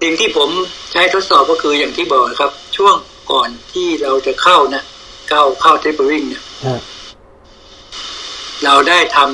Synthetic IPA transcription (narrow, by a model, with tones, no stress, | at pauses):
si˨˩ŋt̪ʰiː˥˩pʰo˩˦mt͡ɕʰa˦˥jt̪ʰo˦˥t̪̚sɔː˨˩p̚kɔː˥˩kʰɯː˧jaː˨˩ŋt̪ʰiː˥˩bɔː˨˩k̚la˥˩kʰa˦˥p̚t͡ɕʰu˥˩əŋ | kɔː˨˩nt̪ʰiː˥˩ɾa˧wt͡ɕa˨˩kʰa˥˩wna˦˥ | ka˥˩wkʰa˥˩wt̪ʰe˦˥˩pːa˧wi˥˩ŋna˦˥ | ɾa˧wdaː˥˩jt̪ʰa˧m